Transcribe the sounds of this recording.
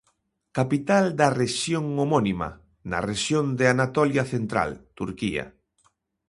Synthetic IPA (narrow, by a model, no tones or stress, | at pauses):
kapit̪ald̪ɐreʃjoŋomɔnima̰ | na̰reʃjond̪ɪanat̪ɔljaθent̪ɾa̰lt̪uɾkia̰